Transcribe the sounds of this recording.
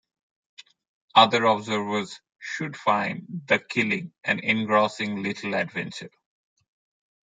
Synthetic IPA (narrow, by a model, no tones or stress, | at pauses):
ʌd̪əɾɔbzəɾʋəz̥ | ʃʊɖfãɪ̃nɖd̪əkʰɪlɪ̃ŋʔæ̃nɪ̃nɡɹɔːsɪ̃ŋlɪʈʰl̩æɖʋɛ̃nt͡ʃəɾ